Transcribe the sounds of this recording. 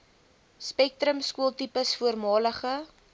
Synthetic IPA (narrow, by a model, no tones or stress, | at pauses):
spɛk̚tɾəmskuəlˠtipəsfuərmɑːləχə